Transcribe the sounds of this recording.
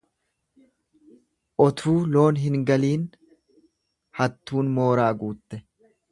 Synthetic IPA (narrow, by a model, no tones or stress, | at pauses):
ʔɔt̪ʰuːlo̞ːnɦɪŋɡɐliːn | hɐt̪ːuːnmo̞ːɾaːɡuːt̪ːɛ